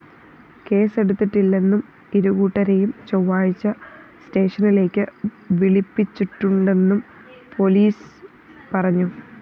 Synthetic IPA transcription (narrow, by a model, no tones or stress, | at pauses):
ke̞ːse̞ɽut̪ːiʈːilːe̞nːum | iɾuɣuːʈːɐɾe̞jumt͡ɕoʋːaːɻit͡ɕːɐste̞ːʂɐnile̞ːkʲːɨ | ʋiɭipːit͡ɕːiʈːuɳɖe̞nːum | pʰo̞liːs | pɐrɐɲːu